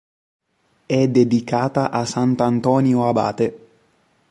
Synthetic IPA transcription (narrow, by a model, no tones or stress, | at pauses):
ɛd̪ed̪ikaːt̪aʔasant̪ant̪ɔːnjoaba̰ːt̪e